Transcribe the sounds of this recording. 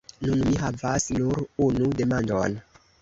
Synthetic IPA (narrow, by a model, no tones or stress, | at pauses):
nunmiɦavasnuɾunude̞mando̞̰n